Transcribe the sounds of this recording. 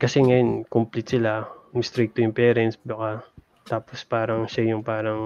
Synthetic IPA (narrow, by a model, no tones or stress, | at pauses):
kɐsɛŋɐjo̞nkʊmplɪt̪sɪlamɪst̪ɾik̚t̪ojʊŋpɛɾɛnt̪sbɐka | t̪aːpospaːɾɐŋʃajʊŋpaːɾɐŋ